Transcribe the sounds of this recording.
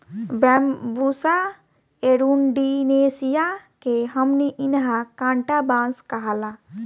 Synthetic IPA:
bɛmbusa | eɾunɖinesijakeɦəmniʔinɦãkãɳʈabãnskəɦala

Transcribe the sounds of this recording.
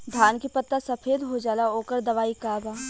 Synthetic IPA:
d̪ʱjaːnkipɐt̪ːasɐpʰeːd̪ɦod͡ʒaːlaoːkəɾd̪ɐʋaːikaːbaː

